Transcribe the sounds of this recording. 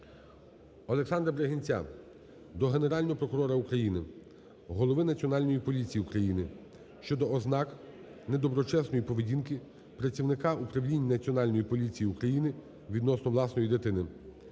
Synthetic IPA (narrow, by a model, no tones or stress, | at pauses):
ɔlˠeksɑnd̪ɾɐbɾeɦenʲt͡sʲa̰ | d̪ɔɦe̞ne̞ɾɑlʲnɔɦɔpɾɔkʊɾɔɾɐukɾɐjinɪ | ɦɔlˠɔʋɪnɐt͡sʲɔnɑlʲnɔjipɔlʲit͡sʲijiukɾɐjinɪ | ʃt͡ʃɔd̪ɔːznɑk | nɛd̪ɔbɾɔt͡ʃɛsnɔjipɔʋedʲinkɪ | pɾɐt͡sʲiwnɪkɑupɾɐwlʲinʲːnɐt͡sʲiɔnɑlʲnɔjipɔlʲit͡sʲijiukɾɐjinɪ | ʋʲid̪nɔsnɔʋlˠɑsnɔjid̪ɪt̪ɪnɪ